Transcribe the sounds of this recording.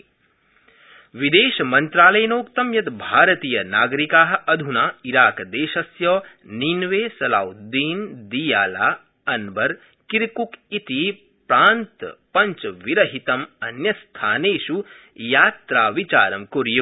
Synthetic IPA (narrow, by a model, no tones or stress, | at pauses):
ʋid̪eːʃɐmɐnt̪ɾaːlɐjɐnoːkt̪ɐmjɐt̪bʱaːɾɐt̪iːjɐnaːɡɐɾikaːɦɐ̆ʔɐd̪ʱunaːiɾaːkɐd̪eːʃɐsjɔːninʋeːsɐlaːwd̪iːnd̪ijaːlaː | ɐnbɐɾ | kiɾkukit̪i | pɾaːnt̪pɐɲt͡ʃʋiɾɐɦit̪ɐmɐnjɐst̪ʰaːneːʃu | jaːt̪ɾaːʋit͡ʃa̰ːɾɐmkuɾju